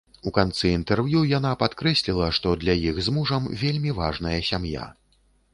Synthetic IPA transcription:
ukant̪sɨint̪ɛrvjujan̪apat̪kɾɛsʲlʲilˠɐʂt̪ɔd̪lʲɐjixzmuʐɐmvʲelʲmʲivaʐnɐjɐsʲamja̰

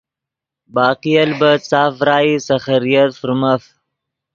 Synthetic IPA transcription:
bɑːqijalbat͡sɑːfɾɑːisaxaɾijat̪fuɾmaf

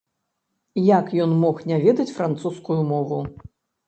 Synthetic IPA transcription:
jakjɔnmɔxnʲavʲɛd̪ɐt͡sʲfɾant̪suskujumɔvu

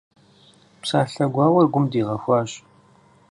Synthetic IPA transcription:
psaːɬɐɡʷɑːwɐrɡʷʊmdiːʁɐxʷɑːɕ

